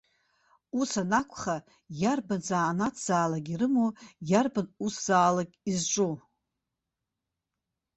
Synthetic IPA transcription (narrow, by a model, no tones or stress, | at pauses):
usanakʷʰʼχa | jarbanzaːnatʰz̥aːlaɡʲirɨmojarbanusz̥aːlakʲʼizʈ͡ʂʷʼu